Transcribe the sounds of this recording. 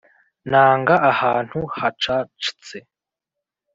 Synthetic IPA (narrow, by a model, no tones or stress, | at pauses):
naːŋɡaʔahaːn̥huhat͡ʃat͡ʃi̥t͡se